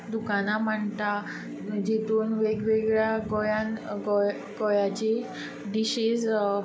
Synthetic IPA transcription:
d̪ukanam̤əɳt̪a | d͡ʑet̪uːnʋeɡʋeɡɭjaɡɔjãnɡɔ | ɡɔjat͡ɕe | ɖ̪iɕes

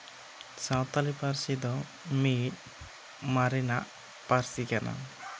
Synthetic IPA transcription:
sãwt̪alipaɾsid̪ɔ | mit̪̚ | maɾinaʔ | paɾsikana̰

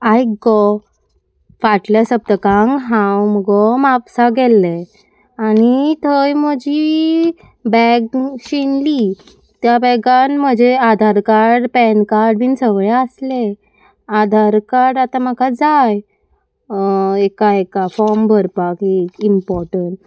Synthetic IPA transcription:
ajɡɔ | faʈljasəb̚t̪əkaŋɡɦãwməɡɔmapsaɡɛlːɛ | anit̪ʰəjm̤əd͡ʑi | bɛɡɕinli | t̪jabɛɡanm̤əd͡ʑead̪ʱaɾkaɾɖpɛnkaɾɖbiːnsəʋɭaəsle | ad̪ʱaɾkaɾɖat̪ãmakad͡zaj | ekaekafɔɾmbʱəɾpakiimpɔɾʈəɳʈ

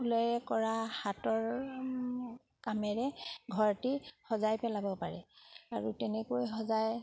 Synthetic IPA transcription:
ulɔjɛkɔɹahatɔɹ | kamɛɹɛɡʱɔɹtihɔzajpɛlabɔpaɹɛ̰aɹutɛnɛkojxɔzaj

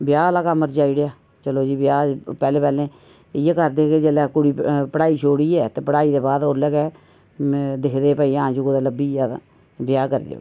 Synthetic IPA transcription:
bjaːəlaːkaməɾt͡ʃaːiɽejaː | t͡ʃəloːd͡ʒiːbɪjaːpɛːleːpɛːlẽː | ɪjaːkəɾd̪eːkeːd͡ʒeːlɛːkʊɽiːpəɽaːiːt͡ʃʰoːɽiːɛːt̪eːpəɽaːiːd̪eːbaːd̪oːɾlɛːkɛː | d̪ɪkʰd̪eːpaːiːãːd͡ʒuːkod̪aːləbiːaã̰ | bɪjaːkəɾḭd̪ḛo̰

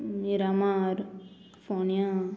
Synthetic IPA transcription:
iɾamaɾ | fonija

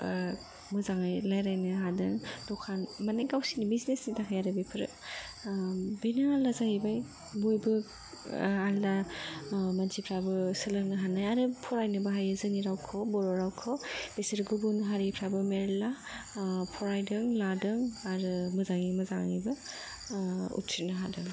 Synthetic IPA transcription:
mɯzaŋajlajɾajnɯɦadɯŋdɔkʰanmanaɡawsinibiznesnitʰakʰajaɾɯbipʰɯɾɯ̰ | binaalazahibaj | bojbɯ | alda | mansʰipʰɾabɯsɯlɯŋnɯɦanajaɾɯpʰɔɾajnɯbɯɦajɯzɯniɾawkʰɔbɔɾɔɾawkʰɔb̥esɐɾɡubunɦaɾipʰɾabɯmeɾla | pʰɔɾajdɯŋladɯŋaɾɯmɯzaŋimɯzaŋŋibɯ | ṵtʰinɯɦadɯŋ

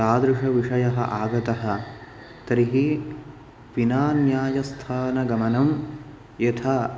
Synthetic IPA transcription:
aːd̪ɾɪʂɐʋiʂɐjɐɦɐ̰ʔaːɡɐt̪ɐɦɐ̆ | t̪ɐɾiɦi | ʋinaːnjaːjɐst̪ʰaːnɐɡɐmɐnɐm | jɐt̪ʰaː

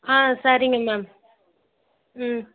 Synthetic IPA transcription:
ãːsaːɾɪŋɡɐmaːm

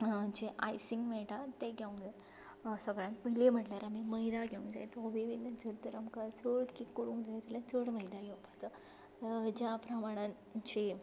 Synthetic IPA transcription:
d͡ʑeʔa̰jsiŋɡmeʈat̪eɡʱeũŋɡd͡za | səɡɾãnt̪məɦlem̤əʈlaɾamiməɦjd̪aɡʱeũŋd͡za̰jt̪ɔʋiʋinːəd͡zʱəɾt̪əɾamkaɾt͡səɽkikːuɾũŋd͡zajt̪elat͡səɽməjd̪aɡʱeupat͡sa | d͡ʑjapɾəmaɽ̃ãn | t͡ɕi

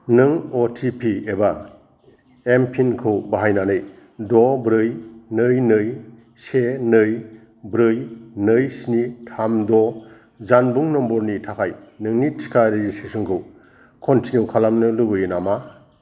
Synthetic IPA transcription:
nɯŋɔtʰipʰieba | empʰinkʰɯwbaɦajnanɯj | dɔbɾɯjnɯjnɯj | senɯj | bɾɯjnɯjsnitʰamdɔ | zanbuŋnɔmbɔɾnitʰakʰajnɯŋnitʰi̥kʰaɾeɡisesuŋkʰɯw | kʰɔntʰinjuwkʰalamnɯlubɯjɯnama

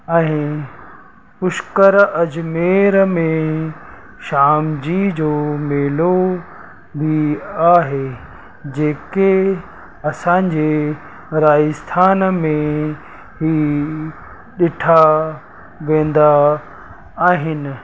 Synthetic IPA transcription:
ɛ̃ː | ʊʃkəɾɐd͡ʑmeːɾmẽ | ʃaːmd͡ʑid͡ʑoːmeːlo | bʱiaːɦe | d͡ʑeːke | ɐsãːɲd͡ʑeː | ɾaːjəst̪ʰaːnmẽ | ɦi | ɗɪʈʰa | ʋẽːn̆d̪a | aːɦɪnɪ̆

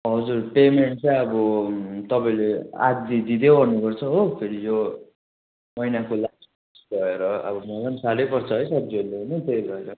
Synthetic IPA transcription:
ɦʌd͡zurpemeɳʈ̚t͡saʌbʌt̪ʌpaĩlea̰ɡ̚d̪id̪id̪eobʱʌnːukʌrt͡sʰʌɦopʰeɾijo | mʌjnakolas | asɡʌeɾʌʌ̰bʌmʌɡansalejpʌrt͡sʰʌɦʌjsʌb̚d͡ziod̪eɦonʌt̪ejbʱʌeɾʌ

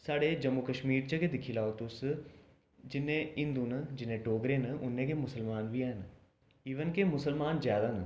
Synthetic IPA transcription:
saːɽed͡ʑɐmːukɐʃmiːɾt͡ɕɐkʰed̪ɪkʰilaːot̪ʊs | d͡ʑɪnẽɪ̃nd̪unəd͡ʑɪnẽɖoːɡɾenəʊnẽkʰemʊsəlmaːnʋiaːɦɪn | iʋənɪ̆kʰemʊsəlmaːnzjaːd̪anə

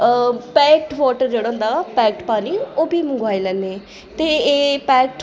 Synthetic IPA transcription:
pɛːk̚ʈʋɔːʈəɾd͡ʒeːɽãʊ̃ːnd̪aːpɛːk̚ʈpaːniːoːbʱiːmʊɡaːiːlɛ̃ːneː | t̪eːeːpɛːkʈ

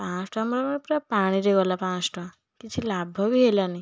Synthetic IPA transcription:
pãsʈɔ̃mɾɔmɾpɾɔpaɽ̃iɾeɡɔlapãsʈɔ̃ | kit͡ʃʰilabʱɔbiɦelani

